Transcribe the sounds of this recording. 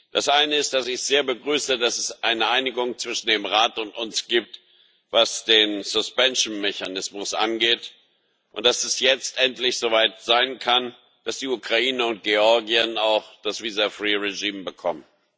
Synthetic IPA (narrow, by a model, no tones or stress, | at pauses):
d̥asʔaɪnəɪst̚d̥asɪçz̥eːɐbəɡʁyːsədasɛsʔaɪnəʔaɪnɪɡʊŋt͡sv̥ɪʃn̩deːmʁaːtʊntʊnsɡ̥iːp̚t | vasd̥eːnzʊspɛnʃn̩meçanɪsmʊsʔa̰nɡeːt | ʔʊntd̥asɛsjɛt͡stʔɛntlɪçz̥oːvaɪtz̥aɪnkʰan | d̥asd̥iːukʁ̥aiːnəʊnt̚ɡ̥eɔɐɡiənaʊxd̥asv̥iːzafʁ̥iːʁeʒiːmbəkʰɔ̰mən